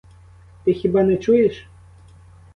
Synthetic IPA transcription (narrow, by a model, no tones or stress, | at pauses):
t̪ɨxʲibanɛt͡ʃujɛʂ